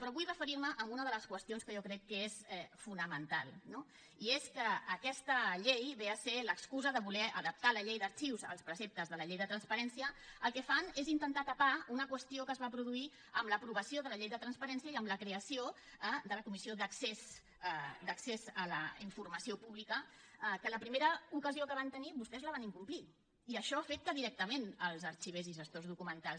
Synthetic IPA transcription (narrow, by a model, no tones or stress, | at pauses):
pɾɔβujɾəfəɾiɾməʔəmbunəð̞ələskwəst̪ionskəjɔkɾɛkːəesɛfunəmənt̪a̰lˠno | ieskəːkɛst̪əʎejβeəseləkskuzəðəβulɛəðəp̚t̪aləʎejðəɾt͡ʃiwzə̰lˠspɾəsep̚t̪əzðələʎejðət̪ɾənspəɾɛnsiəːlˠkɛfanezint̪ənt̪at̪əpaunəkwəst̪iokəzβapɾuðui | əmləpɾuβəsioðələʎejðət̪ɾənspəɾɛnsiəiəmləkɾeəsio | ad̪ələkumisioðəkses | d̪əksezələ̰iɱfuɾməsiopuβlikə | kələpɾimeɾəukəziokəβ̞ant̪əniβust̪ɛzləβaniŋkumpli | iəʃɔafet̪̚kəðiɾɛk̚t̪əmenəlˠzəɾt͡ʃiβeziʒəst̪ozðukumənt̪al